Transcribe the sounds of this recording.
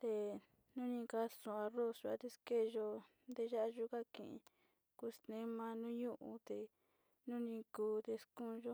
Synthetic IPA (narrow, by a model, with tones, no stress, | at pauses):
t̪e˧ | nũ˦nĩ˧ka˧sõ˧a˧ro˦˨sʒa̰˧t̪e˧ske˦˧ʒo˧ | nd̪e˧ʒa˦ʔʒu˦ka˦kḭ̃˨ʔḭ̃˧˨ | ku˧˦snẽ˦mã˧nũ˦ɲũ˦ʔu˧t̪e˧ | nũ˦nĩ˧kuː˧t̪e˧skũ˦˧ʒo˦